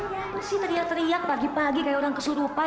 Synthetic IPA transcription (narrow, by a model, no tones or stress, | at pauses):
jamasɪht̪əɾiak̚t̪əɾiak̚paɡipaɡikajaoɾaŋkəsuɾupa